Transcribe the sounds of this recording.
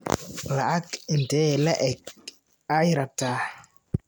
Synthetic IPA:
laʔakɪntɛlaʔɛk̚ | ajɪɾataː

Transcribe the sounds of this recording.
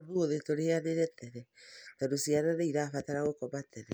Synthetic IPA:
βuoðetoɾeaðeɾɛtɛɾɛtadosiaɾaɾeiɾaːfataɾaɣokɔbatɛɾɛ

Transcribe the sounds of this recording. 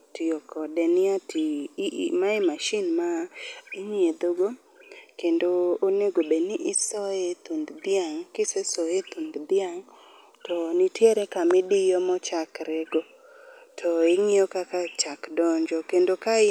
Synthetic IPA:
tɪɔkʰɔdɛnɪatimaemaʃinmaɪɲied̪oɡo | kendoːneɡobenɪʔɪsɔet̪und̪d̪ɪaŋkɪsɛsɔet̪und̪d̪ɪaŋ | tʰɔnitjeɾɛkamɪdɪjɔmɔt͡ʃakɾɛɡo | tʰɔɪŋɪjɔkakat͡ʃakdɔɲd͡ʒɔkendokaɪ

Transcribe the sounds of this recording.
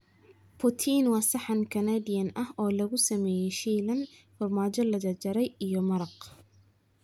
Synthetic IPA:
pʰʊt̪ʰinwɑːsɑħɑnkʰɐnaːdɪjɐnɐhɔːlɐɣʊsɐmɛːjɛjʃiːlɐnfɐrmaːt͡ʃɔlɐðɐd͡ʒɐɾɛjijɔmɐɾɐq

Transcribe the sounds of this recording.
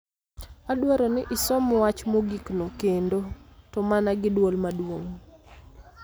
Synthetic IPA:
adwaɾɔnɪʔɪsɔmwat͡ʃmoɡiknokendotɔmanaɡɪdwolmadwoŋ

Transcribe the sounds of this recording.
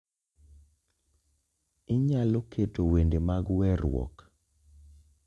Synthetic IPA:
ɪɲaloketowendemaɡwɛɾʊwɔ̰k

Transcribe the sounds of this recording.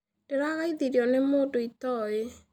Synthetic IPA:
d̥eɾaɣaiðiɾjɔnemoːdoitɔje

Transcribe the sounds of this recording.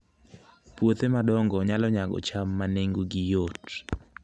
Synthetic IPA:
pwot̪emadɔŋɡɔɲalɔɲaɡɔ̰t͡ʃamːaneŋɡoɡijot

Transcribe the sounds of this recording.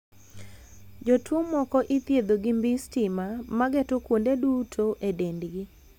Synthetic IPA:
d͡ʒotwomɔkɔʔit̪jed̪oɡɪmbistɪmamaɡetʊkwondedutʰoʔedendɡɪ

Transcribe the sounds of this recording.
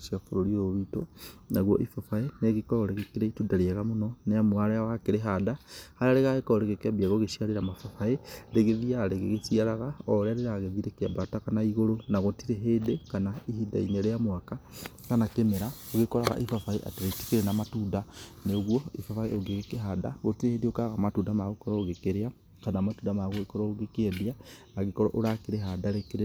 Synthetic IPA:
ʃiafoɾoɾioβitonaɣwɔʔifafaeneɣikɔɾɔɾeɣekeɾeitudaɾeaɣamonɔneamwaɾeawakeɾeɦadahaɾaɾeɣaɣekɔoɾeɣekeabiaɣoɣeʃiaɾeɾamafafaeɾeɣeðiaɾeɣḛɣesiaɾaɣaɔɾeaɾeɾaɣeðiɾekeabatakanaiɣoɾonaɣotiɾeɦeːdekanaihida̰ineɾeamwaka | kanakemeɾaoɣekɔɾaɣa̰ʔifafaeʔa̰teɾeti̥keɾenamatudaneoɣwɔifafaeoɡeɣekeɦada̰ɣotiɾehedeokaɣamatudamaɣokɔɾɔoɣekeɾea | kanamatundamaɣoɣekɔɾɔoɣekeeðeaː | ɣekɔɾɔ̰ʔoɾakeɾeɦadaɾekeɾ

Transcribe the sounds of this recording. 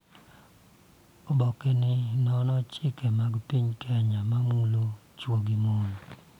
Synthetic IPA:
ɔbɔkenɪnɔnɔt͡ʃɪkɛmaɡpiɲkɛaɲamamulo | t͡ʃwoɡimon

